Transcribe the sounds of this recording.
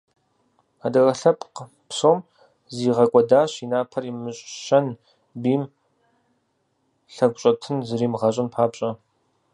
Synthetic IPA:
adɐrɐɬɐpʼq | psoːm | ziːʁɐkʷʼɔdaːɕinaːpʰɐrimɨɕʼʃɐn | biːm | ɬɐɡʷɕʼɐtʰɨnzɨriːmʁɐɕʼɐnpʰaːpɕʼɐ

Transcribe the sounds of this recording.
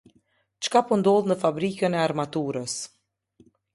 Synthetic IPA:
t͡ʃkapund̪ɔlˠnəfabɾikənɛaɾmat̪uɾəs

